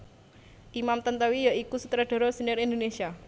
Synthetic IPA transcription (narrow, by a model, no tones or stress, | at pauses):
ʔimamt̪ənt̪əwijaikusut̪ɾaɖ̥ɔ̤ɾɔsənɪɾind̪onesia